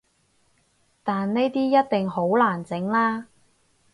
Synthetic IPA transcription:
t̪aː˨nne˥jt̪iː˥jɐ˥t̚t̪ɪ˨ŋɦo˨˥wlaː˨˩nt͡sɪ˨˥ŋlaː˥

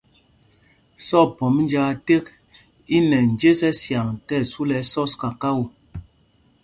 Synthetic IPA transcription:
sɔ˦˨pɔ˨m˦n˦d͡ʒa˦te˦k̚ | i˦nɛ˨n̩˨d͡ʒe˦sɛ˦sja˨ŋtɛ˦˨su˦lɛ˨sɔ˦ska˨ka˦wo˨

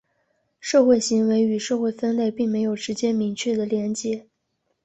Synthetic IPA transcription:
ʂɤ˥˧xwe˥˩ɪɕi˧˥ŋwe˧˥ɪy˨˩ʂɤ˥˧xwe˥˩ɪfə˥nle˥˧ɪpi˥˩ŋme˧˥ɪjo˨˩ʊʂɻ̩˧˥t͡ɕjɛ˥mi˧˥ŋt͡ɕʰɥɛ˥˩d̪ə˩ljɛ˧˥nt͡ɕjɛ˧˥

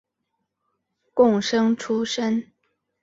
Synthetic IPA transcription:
kʊ˥˨˩ŋʂɤ˥ŋʈ͡ʂʰu˥ʂə˥n

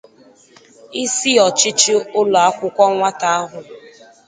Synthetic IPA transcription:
i˦si˦ɔ˨t͡ʃɪ˦t͡ʃɪ˦ʊ˦lɔ˨a˦kʷʊ˦kʷɔ˦ŋʷa˦ta˦a˦ɦʊ˨

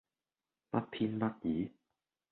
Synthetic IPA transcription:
pɐ˦˥t̚pʰi˥npɐ˥t̚jiː˨˦

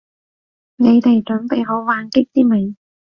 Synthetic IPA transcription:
ne˨˧jt̪e˨jt͡ʃɵ˨˥npe˨jɦo˨˥wwaː˨˧nkɪ˥k̚t̪iː˥mɪ˨˥ŋ

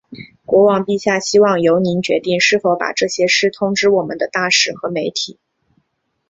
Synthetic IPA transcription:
kwɔ˧˥wɑ˨˩ŋpi˥˩ɕja˥˩ɕi˥wɑ˥˩ŋjo˧˥ʊni˧˥nt͡ɕɥɛ˧˥t̪i˥˩ŋʂɻ̩˥˩fo˧˥ʊpa̰˨˩ʈ͡ʂɤ˥˩ɕjɛ˥ʂɻ̩˥˩t̪ʰʊ˥ŋʈ͡ʂɻ̩˥wɔ˨˩mə˨nd̪ə˧t̪a˥˩ʂɻ̩˨˩xɤ˧˥me˧˥ɪt̪ʰi˨˩˦

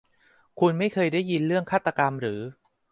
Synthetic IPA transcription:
kʰu˧nma˥˩jkʰɤː˧jdaː˥˩jːi˧nɾɯ˥˩əŋkʰaː˥˩t̪ːa˧ka˧mɾɯː˩˦

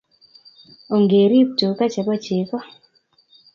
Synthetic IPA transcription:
o˨ŋɡe˨ɾi˦p̚to˨ka˦t͡ʃa˨bɔ˦t͡ʃe˨kɔ˦

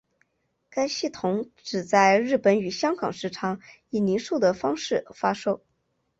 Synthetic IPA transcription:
ka˥ɪɕi˥˩t̪ʰʊ˧˥ŋʈ͡ʂɻ̩˨˩t͡sa˥˧ɪɻɻ̩˥˩pə˧˥ny˨˩ɕjɑ˥ŋɡɑ̰˨˩ŋʂɻ̩˧˥ʈ͡ʂʰɑ˧˥ŋ | i˥˩ni˧˥ʂu˥˩d̪ə˩fɑ˥ŋʂɻ̩˥˩fa˥ʂo˥ʊ

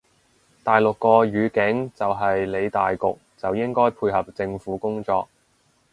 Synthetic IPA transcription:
t̪aː˨jlʊ˨kːɔː˧ɥyː˨˧kɪ˨˥ŋt͡sɐ˨wɦɐ˨jle˨˧jt̪aː˨jkʊ˨k̚t͡sɐ˨wjɪ˥ŋkɔː˥jpʰuː˧jɦɐ˨p̚t͡sɪ˧ŋfuː˨˥kʊ˥ŋt͡sɔ̰ː˧k̚

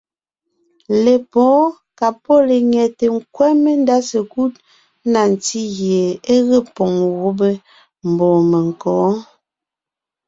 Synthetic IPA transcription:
le˨pɔː˨˦ | ka˨po˦˨le˨ŋɛ˨te˨ŋ̩˦kwɛ˦me˦n˦da˦se˨ku˦t̚ | na˨n˨ti˦ɣje˨e˦ɣə˦˨pɔ˨ŋɣo˦be˦ | m̩˨bɔ˨me˨ŋ̩˨kɔː˨˦

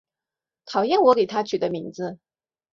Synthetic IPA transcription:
t̪ʰɑ˨˩ʊjɛ˥˩nwɔ˧˥ke˨˩ɪt̪ʰa˥t͡ɕʰy˨˩d̪ə˦mi˧˥ŋd͡zɹ̩˧

